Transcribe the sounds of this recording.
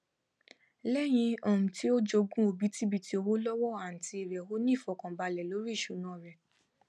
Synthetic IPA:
lɛ˦j̃ĩ˧ɔ̃˨mũ˨ti˦o˦d͡ʒo˧ɡũ˦o˨bi˨˦ti˦bi˧ti˧˦o˧wo˦lɔ˦wɔ˦a˨n̩˨ti˧i˨ɾɛ˨ho˦nĩ˦˨fɔ˨kã˨ba˧lɛ˨lo˨˦ɾi˦i˦˨ʃu˨˦nã˨˦˨ɾɛ˨

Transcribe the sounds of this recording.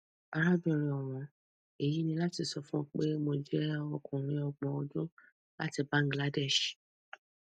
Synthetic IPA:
a˧ɾa˦bi˨ɾĩ˨ɔ˨ɾ̃ɔ̃˨ | e˨ji˨˦nĩ˧la˦ti˧sɔ˧fũ˦k͡pe˦mo˧d͡ʒɛ˦ɔ˦˧kũ˨ɾ̃ĩ˧˦ɔ˧ɡ͡bɔ̃˧ɔ˧d͡ʒõ˦ | la˦ti˧bã˦ŋ̩˦ɡla˦dɛ˦˨ʃ

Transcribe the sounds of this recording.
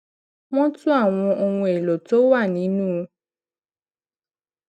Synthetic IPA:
w̃ɔ̃˦tũ˦a˦˨w̃ɔ̃˧ʔo˧wũ˧e˨lo˨to˨˦wa˦˨nĩ˨˦nũː˦˧

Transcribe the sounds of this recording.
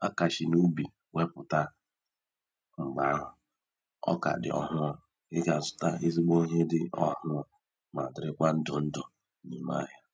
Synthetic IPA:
a˦ka˨ʃɪ˨nu˦bi˨ | we˦pʊ˨ta˦ | ŋ͡m̩˨ɡ͡ba˦ɦʊ˨ | ɔ̰˦ka̰˨dɪ̰˨ɔ̰˨ɦʊ˦ɔ˨ | ɪ˦ɡa˨zʊ̥˦ta˦i˦zi˦ɡ͡bo˦ɦe˦dɪ˦ɔ˦hʊ˦ɔ˨ | ma˨dɪ˨ɾɪ˦kʷa˦n̩˦dʊ˨n̩˦dʊ˨ | ni˨ma̰˦ɦja˦

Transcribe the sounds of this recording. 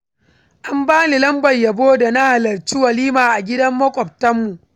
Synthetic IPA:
ʔa˦mbaː˦ni˨lɐ˦mbɐ˨jjɐ˨boː˦da˨na˦ha˨lɐ˨rt͡ʃiː˦wɐ˨liː˦maː˨ʔa˨ɡʲɪ˦dɐ˦mːɐ˦kʷʼɔ˨p̚tɐ˦mːu˨ʔ

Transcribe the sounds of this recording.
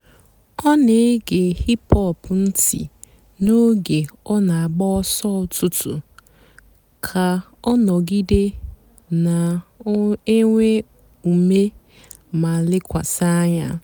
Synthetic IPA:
ɔ˦ne˨˦ɡe˨hi˦pɔ˦˨pn̩˦tḭ˨ | no˦ɡe˨ɔ˦na˨a˨ɡ͡bɔ˦ɔ˦sɔ˦˨tʊ˦tʊ̰˨ | kʰa˨ | ɔ˦nɔ˨ɡi˦de˦ | na˨˦ | e˦ŋʷe˦ | u˨me˦ | ma˨lɪ˦kʷa˨sa˦ɲa̰˦

